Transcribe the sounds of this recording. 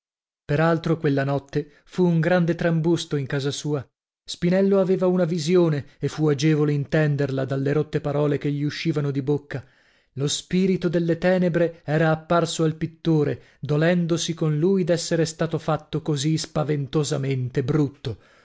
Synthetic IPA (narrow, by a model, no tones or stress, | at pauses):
peɾalt̪ɾokwelːanɔt̪ːe | fuːŋɡɾand̪et̪ɾambust̪oiŋkaːzasuːa | spinɛlːoaveːvaunavizjoːneefːuad͡ʒɛːvoleint̪ɛnd̪erlad̪alːeɾot̪ːepaɾɔːlekeʎːiuʃːiːvanod̪ibokːa | lospiːɾit̪od̪elːet̪ɛːnebɾeɛːɾaːpːarsoalpit̪ːoːɾe | d̪olɛnd̪osikonlujd̪ɛsːeɾest̪aːt̪ofat̪ːokozispavent̪ozament̪ebɾut̪ːo